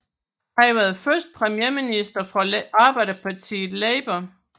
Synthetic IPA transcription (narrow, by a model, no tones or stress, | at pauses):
hɑʋæɐð̩ˠfɶɐsd̥̚pʰʁɛmjeɐminisd̥ɐfʁɒʔɑ̈ːb̥ɑ̈ɪɾɐpʰɑ̈t͡sʰḭːleɪb̥ɐ